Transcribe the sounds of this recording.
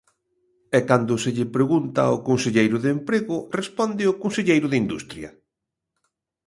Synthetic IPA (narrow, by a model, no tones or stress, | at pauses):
ɛkand̪ʊsɪʎɪpɾeɣunt̪ɐ̰ʊkonseʎejɾʊðempɾeɣʊrespɔnd̪ɪʊkonseʎejɾʊðɪind̪ṵst̪ɾjɐ